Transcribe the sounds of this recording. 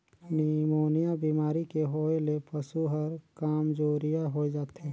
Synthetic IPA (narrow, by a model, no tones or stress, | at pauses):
nimoːnijabiːmaːɾikeɦoːelepəsuɦəɾkaːmd͡ʒoːɾijaɦoed͡ʒaːt̪ɦɛ